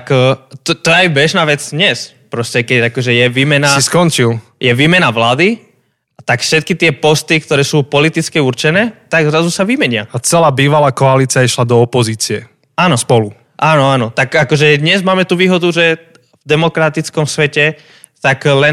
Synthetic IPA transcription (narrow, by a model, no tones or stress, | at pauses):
kt̪t̪ɔɛajbɛʒnaːʋɛd͡zd̪ɲɛs | pɾɔscɛkɛɟakɔʒɛjɛʋiːmɛnasiskɔnt͡ʃil | jɛʋiːmɛnaʋlaːd̪i | at̪akfʃɛt̪̚kit̪ɪɛpɔst̪ik̚t̪ɔɾɛːsuːpɔlit̪it͡skɛuɾt͡ʃɛnɛːt̪aɡzɾazusaʋimɛɲɪaat͡sɛlaːbiːʋalaːkɔaliːt͡siaiʃlad̪ɔːpɔziːt͡siɛ | aːnɔspɔlu | ʔaːnɔaːnɔt̪akakɔʒɛd̪ɲɛzmaːmɛt̪uːʋiːɦɔd̪uʒɛ | vd̪ɛmɔkɾat̪it͡skɔmsʋɛcɛ | t̪aklɛ